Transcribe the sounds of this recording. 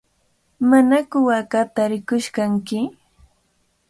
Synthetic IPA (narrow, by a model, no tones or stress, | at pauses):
manakʊwakat̪aɾɪkʊʃkaŋkɪ